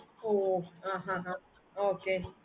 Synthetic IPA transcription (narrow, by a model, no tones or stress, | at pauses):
oãɦãɦã | oke